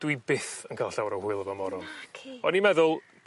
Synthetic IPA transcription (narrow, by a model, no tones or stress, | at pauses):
d̥wibɪθənkʰaːlˠɬawɾɔwhuɨlˠəvamɔɾɔlˠʰɔnimɛðʊlˠ